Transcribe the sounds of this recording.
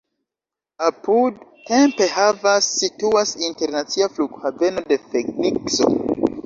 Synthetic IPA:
apudte̞mpe̞ɦavasːituasinte̞ɾnat͡siafluɡhave̞no̞de̞feɡnikso̞̰

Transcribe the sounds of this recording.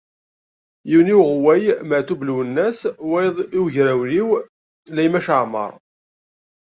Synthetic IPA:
jiwniwʁwæjməʕt̪ubluwənːæswæjðˤiwʝɾæwliw | læjmæʃəʕmə̰ɾˤ

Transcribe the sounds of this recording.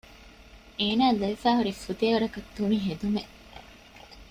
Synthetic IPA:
eːnaːlɐʋifæːɦuɾifut̪eːʋɐɾɐkɐt̪ːuniɦed̪ume

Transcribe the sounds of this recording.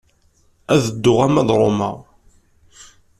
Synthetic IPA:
æðəd̪ːʊʁæmæðɾˤomə̰ʁ

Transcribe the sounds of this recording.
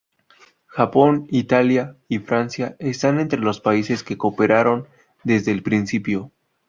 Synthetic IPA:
xapo̞nit̪aljaifɾansjae̞st̪ane̞nt̪ɾe̞lo̞spaise̞ske̞ko̞pe̞ɾaɾo̞n | d̪e̞zðe̞ːlpɾinsipjo̞

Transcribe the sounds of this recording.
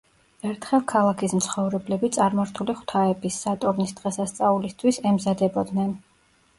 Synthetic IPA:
ɛɾt̪ʰχɛlˠkʰalˠakʰismt̪sʰχɔvɾɛblɛbit̪sʼaɾmaɾt̪ʰuliχw̥t̪ʰaɛbisːat̪ʼuɾnisd̪̥ʁɛsast̪sʼaulist̪ʰwisɛmzad̪ɛbɔd̪nɛn

